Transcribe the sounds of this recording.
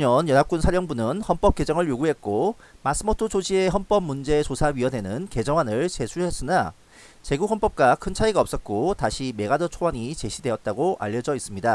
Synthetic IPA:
ɲʌnjʌnap̚k͈unsʰaɾjʌŋbunɯnhʌnp͈ʌp̚k͈e̞d͡ʑʌŋɯɭjoɡuɦe̞t̚k͈o | mas͈ɯmotʰot͡ɕod͡ʑieɦʌnp͈ʌb̚mːund͡ʑe̞t͡ɕosʰaɥiʌne̞nɯnke̞d͡ʑʌŋɦanɯɭt͡ɕe̞sʰuhes͈ɯna | t͡ɕe̞ɡukɦʌnp͈ʌp̚k͈akʰɯnt͡ɕʰaiɡaʌp̚s͈ʌt̚k͈otaɕʰime̞ɡadʌt͡ɕʰowaɲit͡ɕe̞ɕʰidwe̞ʌt̚t͈aɡoʔa̰ʎːʌd͡ʑʌis͈ɯmɲida

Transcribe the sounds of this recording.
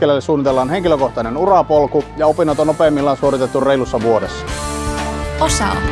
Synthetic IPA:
kelælːesuːnːit̪elːɑːnheŋkiløkoht̪ɑˑnenurɑpolkujɑopinːɑt̪onnopeːmːilːɑnsuoɾit̪et̪ːurreilusːɑʋuodesːɑ̥ | osɑ̰

